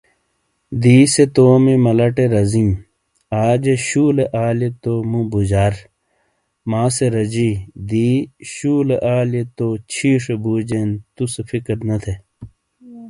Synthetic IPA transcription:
d̪iːset̪oːmimɐlɐʈeɾɐzim | aːd͡ʑeɕuːleʔaːljet̪omũbud͡ʑaːɾ | maːseɾɐd͡ʑid̪iːɕuːleʔaːlet̪ot͡ɕʰiːʂebuːd͡ʑent̪usefikɾnɐt̪ʰe

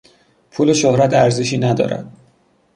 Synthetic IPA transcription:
pʰuːleʃohɾæt̪ʰæɾzeʃiːnæd̪ɒ̰ːɾæ̰d̪̥̚

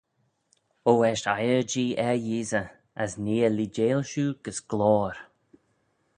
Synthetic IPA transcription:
oːɛʃtajəɹd͡ʒiːʔɛɹjiːzə | əsniːəlid͡ʒeːlʃuːɡ̥əsɡ̥lɔːɾ

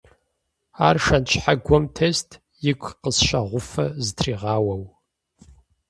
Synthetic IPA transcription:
aːrʂɐnt͡ʃʰʼħaɡʷɔmtʰeːstʰ | jɪkʷʰʼqəsʃɐʁʷʊfɐzɨtʰriːʁɑːwɐw

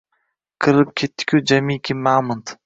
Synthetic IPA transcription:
qʰɨɾɪp̚kʲʰet̪ːɪ̥kʲʰʊd͡ʒamikʲʰimaːmʊnt̪

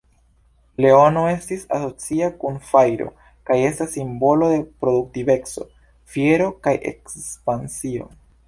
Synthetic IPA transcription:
le̞ono̞e̞stisa̰so̞t͡siakunfajɾo̞̰ | kaje̞stasːimbo̞lo̞d̪e̞pɾo̞duk̚tive̞kso̞̰ | fje̞ɾo̞kajʔe̞̰kspansio̞̰

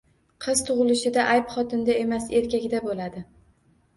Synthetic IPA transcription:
qʰɨzt̪ʰʊʁɨlɪʃɪd̪aʔajpχɒt̪ʰɪnd̪ae̞mase̞ɾkʲaɡʲɪd̪abolad̪ɪ

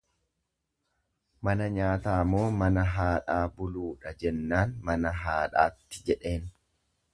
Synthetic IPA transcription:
mɐnɐɲaːt̪aːmo̞ːmɐnɐɦaːᶑaːbʊluːᶑɐd͡ʒɛnːaːnmɐnɐɦaːᶑaːt̪ːɪ̥d͡ʒɛᶑe̞ːn

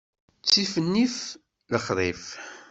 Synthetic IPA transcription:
t͡sːifənːif | ləχðˤif

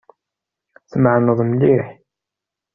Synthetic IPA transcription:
θmʕnəðˤmliħ

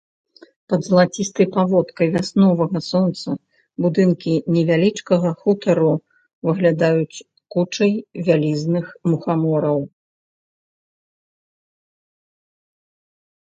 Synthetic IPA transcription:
pɐd̪zɐlˠat͡sʲist̪ɐjpavɔt̪kɐjvʲasnɔvɐɣɐsɔnt̪sɐ | bud̪ɨnkʲinʲɛvʲalʲit͡ʂkɐɣɐxut̪ɐɾu | vɨɣlʲad̪ajut͡sʲ | kut͡ʂɐjvʲalʲiznɨxmuxamɔɾɐw

